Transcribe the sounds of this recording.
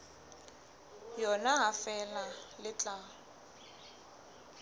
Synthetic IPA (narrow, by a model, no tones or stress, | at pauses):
jɔnaɦafɛlalɪt͡ɬʼaː